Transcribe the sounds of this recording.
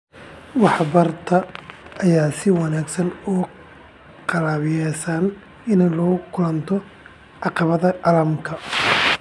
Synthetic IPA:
wɑħbɐrt̪ʰɐːjaːsɪwɑnaːɡsɐnʊ | qɑlaːβɪjɛːsaːn | ɪnlɔːɣʊkʰʊlɐnt̪ʰɔ | ɑqɑβɐðɐʔɑlɐmkʰɐ

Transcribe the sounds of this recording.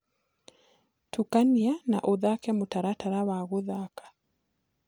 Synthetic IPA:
tʰukaniana̰ʔoðakɛmotaɾataɾawaɣoðakḁ

